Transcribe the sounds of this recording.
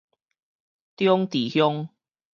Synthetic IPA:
t̪jɔ˦ŋt̪i˨˩hjɔ˦ŋ

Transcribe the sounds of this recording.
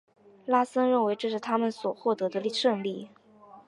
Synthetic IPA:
la˥sə˥nɻə˥˩nwe˧˥ɪʈ͡ʂɤ˥˧ʂ̬ɻ̩˥˩t̪ʰa˥mə˨nswɔ˨˩xwɔ˥˩t̪ɤ˧˥d̪ə˧li˥˩ʂɤ˥˧ŋli˥˩

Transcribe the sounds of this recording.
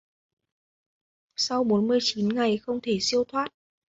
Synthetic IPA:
sa˧wɓo˨˦nmɨ˧əjt͡ɕi˨˦nŋa˨˩jxə˧wŋ͡mt̪ʰe˧˩si˧əwt̪ʰwaː˦˥t̚

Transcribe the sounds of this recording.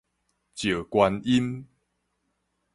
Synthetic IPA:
t͡ɕjə˨˩kwa˧ni˦n

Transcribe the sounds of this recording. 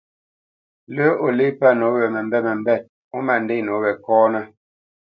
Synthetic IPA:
lə˦ʔo˨li˦pa˦no˨˦wɛ˨mɛ˨m˦bɛ˦mɛ˨m˦bɛ˦˨t̚ | o˦ma˨n˨de˦˨no˨˦wɛ˨kɔː˦nə˦

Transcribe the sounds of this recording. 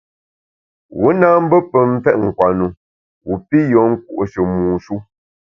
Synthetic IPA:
wu˦na˦m̩˦bə˦pə˨m˦fɛ˦ʔ̚ŋ̩˨kwa˨nu˨ | wu˨pi˦jɔ˨˦ŋ̩˦ku˦˨ʔo˨ʃə˨muː˨ʃu˦

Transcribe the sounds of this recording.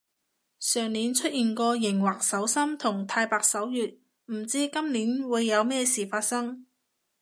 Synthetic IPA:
sœː˨˩ŋniː˨˥nt͡ʃʰɵ˥t̚jiː˨nkɔː˧jɪ˨˩ŋwaː˨˩k̚sɐ˨˥wsɐ˥mt̪ʰʊ˨˩ŋt̪ʰaː˧jpaː˨˧k̚sɐ˨˥wjyː˨˩t̚ | m̩˨˩t͡siː˥kɐ˥mniː˨˥nwuː˨˧jːɐ˨˧wmɛː˥siː˨˩faː˧t̚sɐ˥ŋ

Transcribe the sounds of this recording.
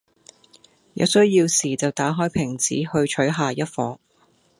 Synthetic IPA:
jɐ̰˨˧wsɵ˥ɥjiː˧wsiː˨˩t͡sɐ˨˩wt̪aː˨˥ɦɔː˥jpʰɪ˨˩ŋt͡siː˨˥hɵ˧ɥt͡ʃʰɵ˨˥ɥɦaː˨jɐ˥t̚fɔː˨˥ŋ

